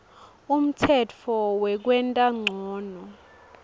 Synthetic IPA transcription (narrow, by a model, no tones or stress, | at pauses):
um̩tʰɛtʰɔwɛk̬wɛntʼaŋ͡ǀʱɔːnɔ